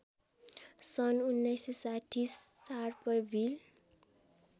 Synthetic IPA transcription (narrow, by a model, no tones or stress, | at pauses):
sʌnunːʌjsesaʈʰːisːaɾpʌjbʱil